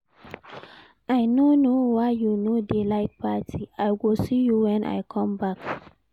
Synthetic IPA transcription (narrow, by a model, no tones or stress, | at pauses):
ʔajnonowajjunodelaɪt̚patʰiajɡilsijuwɛ̃nʔa̰jkʰɔ̃mbak